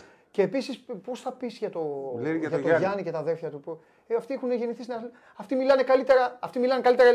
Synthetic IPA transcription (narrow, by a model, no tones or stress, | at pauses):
ce̞ːpisispo̞sθɐpisʝɐt̪o̞tʝɐt̪oʝɐnice̞t̪ɐðelfçɐt̪upu | ɐft̪iexuneʝe̞niθisinɐ | ɐft̪imilɐne̞kɐlit̪e̞ɾɐɐft̪imilɐne̞kɐlit̪eɾɐ